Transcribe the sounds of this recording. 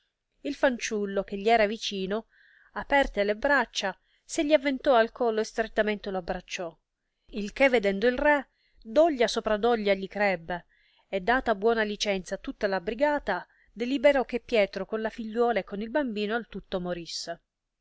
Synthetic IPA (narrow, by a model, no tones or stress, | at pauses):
ilfant͡ʃulːok̟eʎːiɛːɾavit͡ʃiːno | apɛrt̪elebɾat͡ʃːa | seʎːiavːent̪ɔalkɔlːoest̪ɾet̪ːament̪eloabːɾat͡ʃːɔ | ilk̟evːed̪ɛnd̪oilrɛ | d̪ɔʎːasopɾad̪ɔʎːaʎːikɾɛbːe | ed̪ːaːt̪abwɔːnalit͡ʃɛnt̪sat̪ːut̪ːalabɾiɡaːt̪a | d̪elibeɾɔk̟ːepːjɛːt̪ɾokonlafiʎːwɔːlaekːonilbambiːnoalt̪ut̪ːomoɾisːe